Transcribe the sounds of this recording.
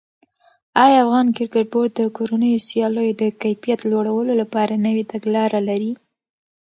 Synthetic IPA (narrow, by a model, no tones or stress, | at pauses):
ɑjɑafɣɑnkɪɾkəʈ̚boɾd̪əkoɾanəjosjɑləjod̪əkajfijat̪loɽawəlolapɑɾanəwet̪aɡlɑɾalaɾi